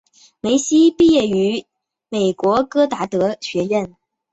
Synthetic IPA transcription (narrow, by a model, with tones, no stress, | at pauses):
me˧˥ɪɕi˥pi˥˧jɛ˥˩y˧˥ | me˨˩ɪkwɔ˧˥kɤ˥t̪a˧˥t̪ɤ˧˥ɕɥɛ˧˥ɥə˥˩n